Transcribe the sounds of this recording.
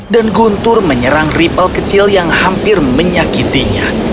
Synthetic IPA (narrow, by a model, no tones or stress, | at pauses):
danɡunt̪ʊrməɲəɾaŋripəlkət͡ʃɪljaŋhampɪrməɲakit̪iɲa̰